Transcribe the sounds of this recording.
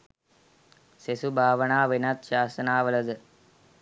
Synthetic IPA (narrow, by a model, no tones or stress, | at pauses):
sesubʱaːʋɐɳaːʋinat̪ʃaːsɐnaːʋɐlɐd̪ɨ